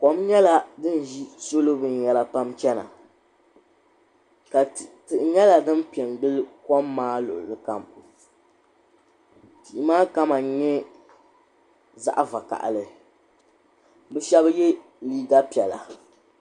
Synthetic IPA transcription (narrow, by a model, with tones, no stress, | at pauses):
kɔ˨mɲɛ˦la˦dɨ˦n˨ʒi˦so˦lo˦bɨ˨n˨jɛ˨la˦pa˦mt͡ʃɛ˦na̰˨ | ka˨tɨ˨ʔɲɛ˦la˨dɨ˦n˦pi˨ɛ˨nɡ͡bɨ˦lkɔ˦mːaː˦lʊ̰˨ʔʊ̰˨lɨ˨ka˨m | ti˨i˨maː˦ka˦ma˨˦ɲɛ˦ | za̰˨ʔa˦va˨ka̰˨ʔlɨ˨ | bɨ˦ʃɛ˦bjɛ˦ | liː˦ɡa˦pi˨ɛ˨la˨